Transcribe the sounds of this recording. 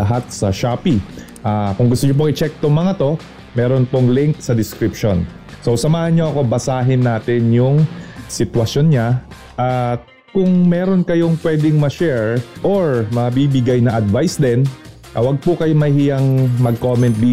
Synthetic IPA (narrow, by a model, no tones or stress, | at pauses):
ɐɦat̪̚sɐʃaːpi | ʔakʊŋɡʊst̪ʊɲop̬oŋʔɪt͡ʃɛk̚t̪omɐŋɐt̪o̞ | mɛːɾonpoŋlɪŋk̚sɐd̪ɪskɾipʃon | sowsɐmaːhɐnɲo̞ʔɐko̞bɐsaːɦɪnːaːt̪ɪnjʊŋsɪt̪wɐʃjonɲa | ʔa | kʊŋmɛːɾo̞nkɐjo̞ŋpwɛd̪ɪŋmɐʃɛɹʔoɹmɐbiːbɪɡajnɐʔɐd̪vajsd̪ɛn | ɐwɐɡ̚pʊkɐjomɐjhijɐŋmɐɡ̚komɛnt̪̚d̪iː